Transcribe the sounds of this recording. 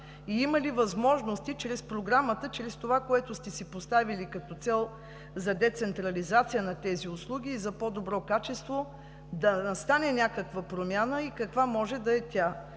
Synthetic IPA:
iiməlivɐzmɔʒnost̪it͡ʃɾɛspɾoɡɾamət̪ət͡ʃɾɛst̪ovakoɛt̪ʊst̪ɛsipost̪avilikɐt̪ɔt̪sɛlˠ | zɐd̪ɛt̪sɛnt̪ɾɐlizat̪sijənɐt̪ɛziʊslˠuɡʲiːzɐpɔd̪obɾɔkat͡ʃɛst̪vo | d̪ɐst̪anɛnʲakəkvəpɾomʲjanəikɐkvamɔʒɛd̪ɐɛt̪ʲa

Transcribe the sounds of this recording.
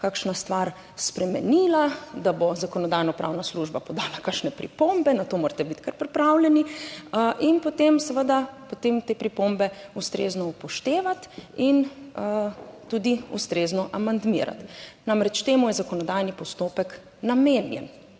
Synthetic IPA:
kakʃnast̪ʋaɾ | spɾɛmɛniːlad̪abozakɔnɔd̪aːjnɔpɾʔa̰wnasluʒbapɔd̪aːlakaʃnɛpɾḭpombɛnat̪oːmoɾt̪ɛbit̪kaɾpɾipɾawlɛni | ʔinpot̪emsɛʋəd̪apot̪emt̪eːpɾipombɛust̪ɾḛznɔupɔʃt̪eːʋat̪in | t̪ud̪iṵst̪ɾeznɔʔamand̪mḭɾa̰t̪namɾɛt͡ʃt̪eːmujɛzakɔnɔd̪ajnipɔst̪oːpɛk | nameːnjɛ̰n

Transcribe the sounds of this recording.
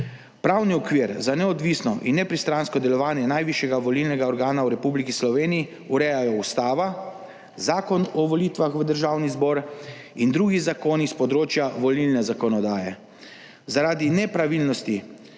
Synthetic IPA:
pɾawniɔkʋiɾzanɛɔd̪ʋisnɔʔinːɛpɾist̪ɾanskɔd̪ɛlɔʋaːnjɛnajʋiʃjɛɡaʋɔlilnɛɡaɔɾɡaːnawɾɛpublikislɔʋeːniji | uɾɛjajɔust̪aːʋa | zaːkɔnɔʋɔlit̪ʋaxʋəd̪əɾʒaːwnizbɔːɾ | ind̪ɾuːɡizakoːnispɔd̪ɾoːt͡ʃjaʋɔlilnɛzakɔnɔd̪aːjɛ | zaɾaːd̪inɛpɾaʋilnɔst̪i

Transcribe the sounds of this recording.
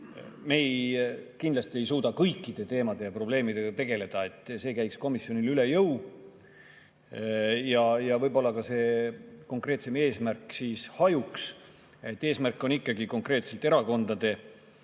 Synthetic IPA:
me̞jkind̪lɑst̪ie̞jsuːd̪̥ɑkɤjkːˑid̪̥e̞t̪e̞ːmɑd̪̥e̞jɑpro̞b̥le̞ːmid̪̥e̞ɡ̥ɑt̪e̞ɡ̥e̞le̞d̪̥ɑe̞t̪ːˑse̞ːkæjksko̞misːjo̞nilyle̞jɤw | jɑjɑvɤjbo̞lːɑkɑse̞ːko̞ŋkˑre̞ːt̪se̞me̞ːsmærkːˑsiːshɑjuks | e̞t̪ːe̞ːsmærkːˑo̞nikːɑɡiko̞ŋkre̞ːt̪se̞lt̪ːˑeɾɑko̞nd̪̥ɑd̪e̞

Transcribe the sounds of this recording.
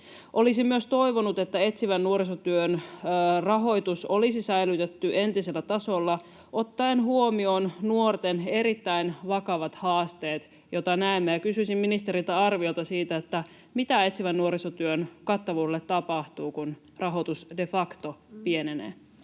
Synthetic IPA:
ʔo̞lisimmyøst̪o̞iʋonut̪e̞t̪ːæe̞t̪siʋænːuoɾisot̪yønrɑɦo̞jt̪usolisisæilyt̪et̪ːyʔe̞nt̪ise̞lːæt̪ɑso̞lːɑ | ʔo̞t̪ːɑenhuomionnuort̪ene̞ɾit̪ːæinʋɑkɑʋɑt̪hɑːst̪e̞ːt̪ | jo̞t̪ɑnæemːejækysysimminist̪e̞ɾilt̪æɑrʋiolt̪ɑsiːt̪æet̪ːæ | mit̪æe̞t̪siʋænːuoɾisot̪yønkɑt̪ːɑʋuːelːet̪t̪ːɑpɑht̪uːkun | rɑɦot̪usde̞fɑkt̪opienenḛː

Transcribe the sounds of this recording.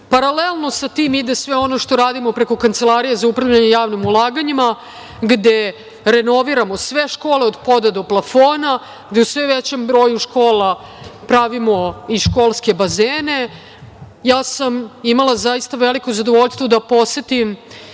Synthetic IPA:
paɾalelˠno̞sat̪iːmid̪esʋeo̞noʃt̪o̞ɾaːd̪imopɾe̞ko̞kant̪se̞lˠaɾijezaupɾavʎaɲejaːʋnimulˠaːɡaɲima | ɡd̪e | ɾe̞no̞ʋiɾamo̞sʋeʃko̞ːle̞od̪po̞d̪ad̪o̞plˠafo̞ːna | ɡd̪eusʋeʋet͡ɕembɾo̞ːjuʃko̞ːla | pɾaʋimo̞iʃko̞lˠske̞bazeːne̞ | jaːsamimalˠazaist̪aʋelikozad̪oʋo̞ʎst̪ʋod̪apo̞set̪im

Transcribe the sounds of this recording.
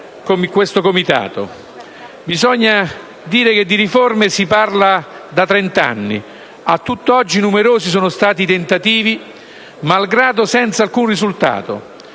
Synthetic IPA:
komekwest̪okomit̪a̰ːt̪o̰ | bizɔɲːa | d̪iːɾek̟ed̪ːiɾiformesiparla | d̪at̪ɾɛnt̪a̰nːḭ | at̪ːut̪ːoɔd͡ʒːinumeɾoːsis̬oːnʊst̪aːt̪it̪ent̪at̪iːvi | malɡɾaːd̪osɛnt̪salkunrizult̪a̰ːt̪o̰

